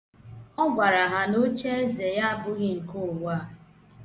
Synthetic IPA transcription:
ɔ˦ɡʷa˨ɾa˨ɦa˨no˦t͡ʃe˦e˦ze˨ja˦a˦bʊ˦ɣɪ˦ŋ̩˨ko˦˨ʊ˨wa˦˨

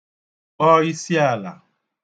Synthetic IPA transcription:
ɔ˦i˦si˦a˦˨la̰˨

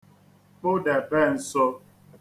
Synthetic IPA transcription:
k͡po˦dɛ˨bɛ˦˨n̩˨sɔ˦

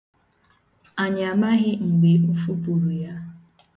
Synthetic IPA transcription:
a˨ɲa˨ma˦ɣɪ˦ŋ͡m̩˨ɡ͡be˨u˦fu˦pu˨ɾu˨ja˦

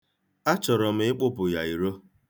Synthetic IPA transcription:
a˦t͡ʃɔ˨ɾɔ˨m̩˦ɪ˦k͡pʊ˦pʊ˨ja˨i˨ɾo˦

